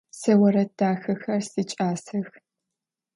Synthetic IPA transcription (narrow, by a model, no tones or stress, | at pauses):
sɐwɐɾɐdʰaːxɐxɐrsit͡ʃʼaːsɐx